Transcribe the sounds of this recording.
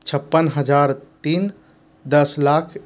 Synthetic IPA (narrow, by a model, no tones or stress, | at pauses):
t͡ʃʰəpːənɦəd͡ʒaɾt̪in | d̪əslakʰ